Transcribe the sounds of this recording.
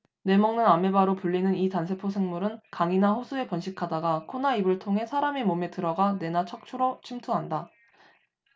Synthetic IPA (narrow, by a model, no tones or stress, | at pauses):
ne̞mʌŋnɯname̞baɾopuɭːinɯnitansʰe̞pʰos̬ʰe̞ŋmuɾɯnkaŋinaɸosʰue̞pʌnɕʰikʰadaɡakʰonaibɯɭtʰoŋɦe̞sʰaɾame̞mome̞tɯɾʌɡane̞nat͡ɕʰʌk̚t͡ɕʰuɾot͡ɕʰimtʰuɦanda